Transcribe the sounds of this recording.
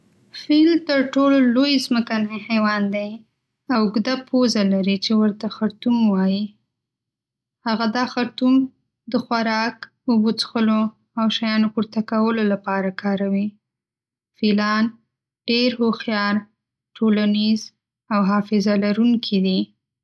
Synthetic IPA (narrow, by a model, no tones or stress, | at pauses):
filt̪əɾʈololojzməkanajhewɑnd̪aj | awʊɡd̪apʰozalaɾit͡ʃewəɾt̪axaɾt̪umwɑji | haɣad̪ɑxaɾt̪um | d̪əxwaɾɑk | əbut͡sxəlo | awʃajɑnoxuɾt̪akawəlolapɑɾakʰɑɾawi | filɑn | ɖ̥eɾhoxjɑɾ | ʈʰolaniz | awɦɑfɪzalaɾuŋkʰid̪i